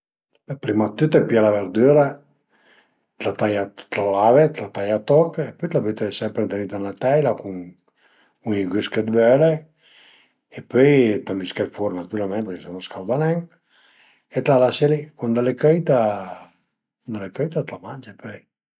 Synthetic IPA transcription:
bɛpɾimat̪ːyt̪ɛpialavɛɾd̪yɾa | t̪lat̪ajat̪lalavet̪lat̪ajat̪ɔkepøjt̪lapøjt̪ɛsɛmpɾent̪enit̪anat̪ɛjlakuŋ | uŋiɡyskəd̪vøle | epøjt̪amiskɛlfoɾnat̪uɾalmɛnt̪pɛɾkɛsɔnaskawd̪anɛŋ | et̪lalaselikund̪alekøjt̪a | kund̪alekøjt̪at̪lamand͡ʒapøj

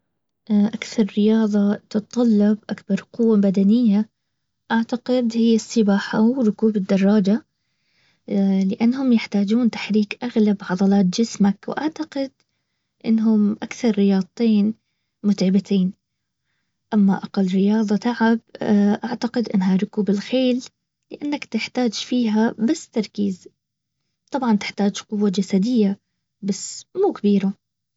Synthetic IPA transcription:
ʔʔakθɑɾˤːɪjɑːðˤɑt̪ɨt̪t̪ˤːɑlːɑbʔakbɑɾˤqʊwːabad̪anɪjːa | ʔaʕt̪aqɪd̪hɪjːasˤːɨbaːħawɾʊkuːbɪd̪ːɑrˤːɑːd͡ʒa | lɪʔanːhʊmjɪħt̪aːd͡ʒuːnt̪ḁħɾiːkʔaɣlabʕɑðˤɑlɑːt̪̚d͡ʒɪsmakw̰ʔaʕt̪aqɪd̪̚ | ʔɪ̰nːɦʊmʔakθɑɾˤːɪjɑːd̪̚ˤiːn | mʊt̪ʕɪbat̪ʰeːn | ʔamːaʔaqalːɾɪjɑːd̪ˤɑt̪aʕab̚ʔaʕt̪aqɪd̪ʔɪnːɦaɾˤʊkuːbɪlxeːlː | ɪʔanːakt̪ɪħt̪aːd͡ʒfiːɦabasːt̪ɑɾˤkiːz | t̪ˤɑbʕɑnt̪ɪ̥ħt̪aːd͡ʒqʊwːad͡ʒasad̪ɪjːa | basːmuːkabiːɾa

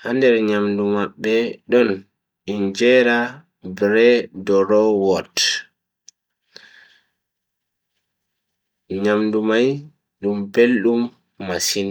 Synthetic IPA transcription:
handɛɾɲamdumaɓːɛɗɔn | ind͡ʒɛːɾa | bɾɛdɔɾɔwɔt | ɲamdumaj | ɗumbelɗumː | asin

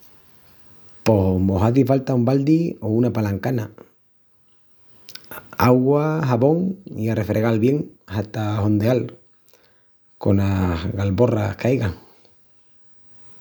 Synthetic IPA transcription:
po̞moɦaðifalt̪aumbald̪iounapalaŋkana | aɣwaɦaβo̞ŋiare̞fɾeɣalβje̞ŋhat̪aɦo̞nd̪eal | ko̞nahɣalβo̞ra̰hkajɣaŋ

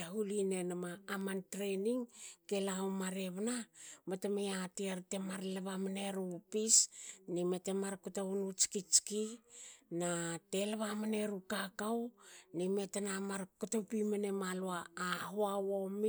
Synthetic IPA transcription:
aɦuline̞namaːmantɾeniŋke̞lawmaɾeβanamatamejatiaɾte̞maɾlaβamaneɾupisnimetemaɾkutaunut͡ʃi̥kit͡ʃki | nate̞laβamane̞ɾukakawnimetanamaɾkutopimanemaloaːɦoawomi

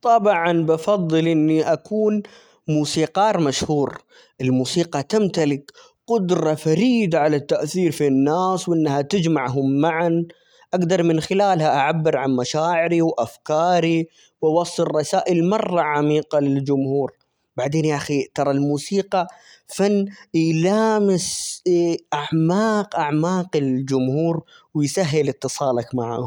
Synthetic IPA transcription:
t̪ˤɑbʕɑnbɑfɑðˤːɨlʔɪnːiʔakʰuːn | muːsiːqɑːɾˤmaʃhuːɾ | ʔɪlmuːsiːqɑt̪amt̪alɪk | qʊd̪ɾˤɑfaɾiːd̪aʕalat̪ːaʔθiːɾfinːaːswʔɪnːhat̪ɪd͡ʒmaʕɦʊmːaʕan | ʔaɡd̪ɑɾˤmɪnxɪlaːlhaʔaʕabːɪɾʕanmaʃaːʕɪɾiwʔafkɑːɾi | wʔawɑsˤːɨrˤːɑsaːʔɪlmɑrˤːɑʕamiːqɑlɪld͡ʒʊmhuːɾ | baʕd̪eːnjaʔaxit̪ɑɾˤɑlmuːsiːqɑ | fanːjlaːmɪs | ʔaʕmaːqʔaʕmaːqɪld͡ʒʊmhuːɾ | wɪjsaɦːɪlɪt̪ːɨsˤɑːlɑkmaʕa̰ːhʊm

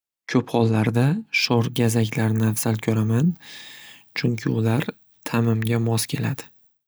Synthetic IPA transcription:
kʲʰɵphɒlˠːaɾd̪aʃɒɾɡʲazakʲlaɾnɪafsalkʲʰɵɾaman | t͡ʃʰʊŋkʲʰɪʊlaɾ | t̪ʰamɪmɡʲamɒskʲʰe̞lad̪ɪ

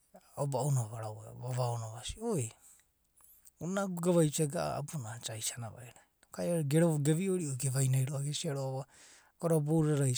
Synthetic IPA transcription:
obanaβaɾaweβaβaonaβasioj | unaɡoɡaβajt͡ʃeɡaʔa̰a̰bunat͡ʃajsanaβa̰eɾa | okajaɾeɡeɾoβoɡeβioɾiojɡeβajnajɾoaɡesiaɾoaβa | koɾaboɾaɾa

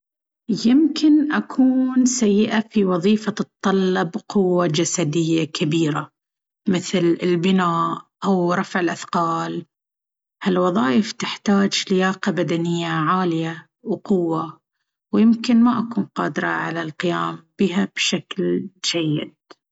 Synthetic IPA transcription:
jɪmkʰɪnʔakʰuːnsajːɪʔafiwɑðˤiːfat̪ˤːɑlːɑbqʊwːad͡ʒasad̪ɪjːakʰabiːɾa | mɪθlɪlbɪnaːʔʔawɾˤɑfʕɪlʔaθqɑːl | halwɑðˤɑːjɪft̪ɪħt̪aːd͡ʒlɪjaːqabad̪anɪjːaʕaːlɪja | wqʊwːa | wjɪmkɪnmaʔakuːnqɑːd̪ɪɾˤɑ̰ʕalalqɪjaːmb̥iːɦab̥ʃakld͡ʒajːɪ̰d̪̚

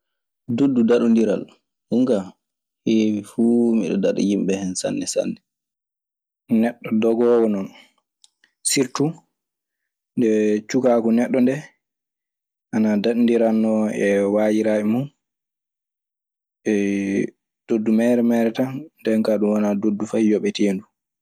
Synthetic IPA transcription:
dodːudaɗundiɾa̰l | huŋɡa | heːwifuːmiɗɔ̰daɗɔ̰jimɓɛhɛnsa̰nːɛsa̰nːɛ | nɛɗːɔdɔɡɔwɔnɔn | siɾtu | ndɛt͡ʃukakɔnɛɗːɔndɛ | ʔanadaɗndiɾanːɔɛwaːjiɾaːɛmun | ʔɛ | d̥odːumɛɾɛmɛɾɛtandɛŋkaɗumwanadodːufajɔɓɛtʰendu

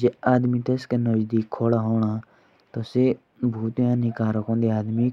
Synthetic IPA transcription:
d͡ʒeaːd̪mit̪eskenəd͡ʒd̪iːkʰːoːɽaːɦoːɳ̃aː | t̪ose | bʱuːt̪ːjãːnɪkaːɾəkõːnd̪eaːd̪mi

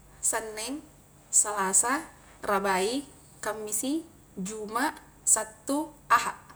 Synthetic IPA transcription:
sənːɛŋ | salasa | rabai | kamːisi | d͡ʒumaʔ | sat̪ːuahaʔ

